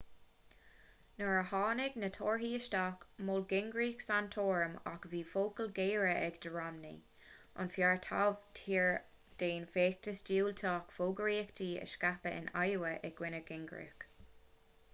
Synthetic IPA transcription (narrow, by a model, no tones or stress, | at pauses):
nəɹəhɑːnɪɡnət̪ʰoːɹɦiːəʃtaːkmolɡɪŋɡɹiːksantʰoːɹəma̰kviːfoːkəlɡeːɹəʔɛɡd̪əɹamnḭ | ʔʊ̰nfjaɹt̪ʰa̰vtʰiːɹ | d̪̥eːnfeːk̚təsd͡ʒiːlt̪ʰɑːkfoːɡəɹiːkt̪ʰiːə̰ʃkapəʔɪ̰na̰jəwəʔɛɡwɪnəɡɪŋɡɹḭk